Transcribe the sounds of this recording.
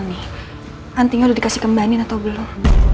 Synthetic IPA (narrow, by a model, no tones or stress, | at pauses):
nih | ʔant̪iɲaudahdikasihkəmbanɪnat̪awbəlum